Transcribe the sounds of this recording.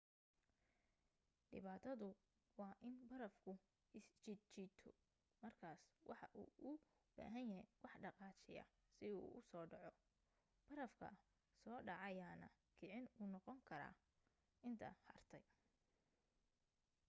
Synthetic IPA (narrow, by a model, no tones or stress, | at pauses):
ɖɪ̰βaːt̪ʰɐðʊ | wɑːʔɪnbɐɾɐfkʰʊ | ɪst͡ʃɪt͡ʃit̪ʰɔ | mɐrkʰaːswʔɑħɑʔṵːʔʊ | b̥a̰ːɦɐnjɐɦɛwʔɑħɖɑqɑːt͡ʃɪjɐ̰ | sɪṵːʔʊsɔːɖɑʕɔ | b̥ɐɾɐfkʰɐ̰ | sɔːɖɑʕɑjaːnɐ̰ | kʰɪʕɪnuːnɔqɔŋkʰɐɾa̰ː | ɪnt̪ʰɐ̰hɐrt̪ʰɛj